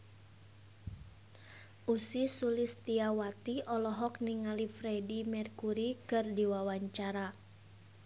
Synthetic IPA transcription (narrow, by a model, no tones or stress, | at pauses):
ʔusisulist̪iawat̪iʔɔlɔɦɔk̚niŋalifɾɛdimɛrkuɾikɨrdiwawaɲt͡ʃaɾa